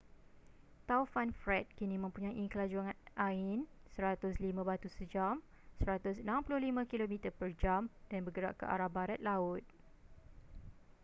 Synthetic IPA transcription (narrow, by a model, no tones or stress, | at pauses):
t̪awfanfɾɛt̪̚kinimə̃mpuɲajʔiŋkəlad͡ʒuaŋanʔaɪn | səɾat̪ʊslimãbat̪usəd͡ʒam | səɾat̪ʊsənãmpulʊhlimãkilomĩt̪əpərd͡ʒamd̥anbəɡəɾa̰ʔkə̰ʔa̰ɾahbaɾat̪̚laʊt̪̚